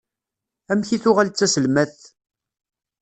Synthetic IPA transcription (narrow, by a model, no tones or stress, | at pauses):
æmçiθʊʁælt͡sːæsəlmæθ